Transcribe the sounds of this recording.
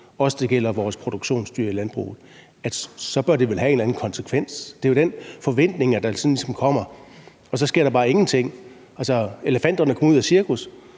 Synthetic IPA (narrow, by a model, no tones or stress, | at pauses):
ɒ̽səd̥e̝ɡ̥el̰ɐʋɒːspʰʁo̝d̥oɡ̥ɕo̝̰ːnsd̥y̰ɐ̰ilænb̥ʁṵːð̞̩ˠ | æd̥sɒ̽b̥ɶɐd̥e̝ʋelɦæe̝ːnlæn̩kʰɒ̽nsekʰʋen̰sd̥e̝jod̥enfɒ̽ʋen̰d̥ne̝ŋɐd̥ɑ̈sɒ̽nlisɒ̽mkʰɒ̽m̰ɐ | ɒ̽sɒ̽sɡ̥e̝ɐɾɑ̈b̥ɑ̈ːe̝ŋn̩t͡sʰe̝ŋ̰ | ælsɒe̝ləfæn̰d̥ɐnəkʰɒmuð̰ˠæsiɐkʰus